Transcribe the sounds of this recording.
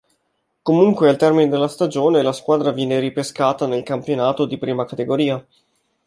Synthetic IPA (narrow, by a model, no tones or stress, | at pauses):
komuŋkwealt̪ɛrmined̪elːast̪ad͡ʒoːnelaskwaːd̪ɾavjɛːneɾipeskaːt̪anelkampjonaːt̪od̪ipɾiːmakat̪eɡoɾiːa